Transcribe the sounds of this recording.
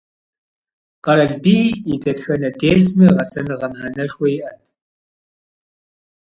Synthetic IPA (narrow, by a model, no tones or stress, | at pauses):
qɐɾɐɮbiːɪdɐtxɐnɐdeːɮsmɨʁɐsɐnɨʁɐmħaːnɐʂwɔjʔɐntʰʼ